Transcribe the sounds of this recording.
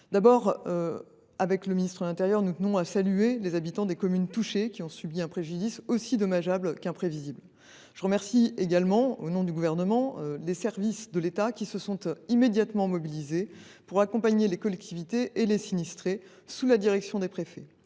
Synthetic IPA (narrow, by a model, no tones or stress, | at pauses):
d̪abɔʁ | avɛkləminist̪χəd̪lɛ̃t̪eʁjœʁnut̪ənɔ̃asalyelezabit̪ɑ̃d̪ekɔmynt̪uʃekʲiɔ̃sybiɛ̃pχeʒyd̪isosid̪ɔmaʒablkɛ̃pχevizibl | ʒ̥əʁəmɛʁsieɡalmɑ̃onɔ̃d̪yɡuvɛʁnəmɑ̃lesɛʁvisd̪əlet̪akʲisəsɔ̃t̪imed̪jat̪mɑ̃mɔbilize | puʁakɔ̃paɲelekɔlɛk̚t̪ivit̪eʔelesinist̪χe | sulad̪iʁɛksjɔ̃d̪epχefɛ